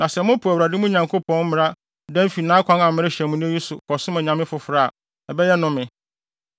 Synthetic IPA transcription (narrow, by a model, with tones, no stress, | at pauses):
nã˨sɛ˨mʊ̃˦pʰʊ˨æ˨wɾa˨dɪ˦mũ˦ɲã˨ŋkʰo˦pʰɔ̃˦n̩˦mɪ̃˨ɾa˦ | dɛ̃˦m̩˦fi˨nãː˦kʷʰã˦nã˨mɪ̃˦ɾɪ˦ɕɛ˨mũ˦nɪ̃˦ji˦sʊ˨kʰɔ˨sʊ̃˦mɛ̃˨ɲã˨mɪ̃˦fʊ˨fɾa˦˨a̰˨ | ɛ˨bɛ˦jɛ˦nʊ̃˦mɪ̃˨